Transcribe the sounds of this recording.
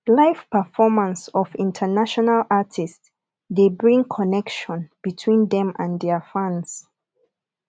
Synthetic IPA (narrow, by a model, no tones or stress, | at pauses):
laɪfpəfɔmãnsɔvĩntʰənaʃɔnalʔatʰist | debɹĩŋkʰɔnɛkʃɔ̃nb̥itʰwĩnðɛ̃mãndɛəfãns